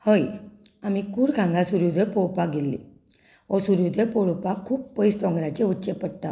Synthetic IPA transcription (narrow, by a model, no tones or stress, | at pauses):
həjamikuːɾɡʱãŋɡasuɾud̪ʱepɔɭpaɡelːḭ | ɔsuɾud̪epɔɭupakʰuːppəjst̪ɔ̃ŋɡɾat͡ɕeutːt͡ɕepəɽt̪a